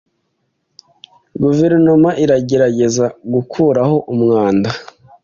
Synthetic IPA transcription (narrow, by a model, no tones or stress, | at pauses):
ɡuve̞ɾno̞maʔiɾaɟe̞ɾaɟe̞zaɡukʰuːɾaho̞ʔumŋaːnda